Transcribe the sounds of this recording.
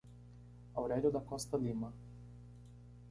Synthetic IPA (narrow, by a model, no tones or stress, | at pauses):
auɾɛd̪ud̪akɔst̪alima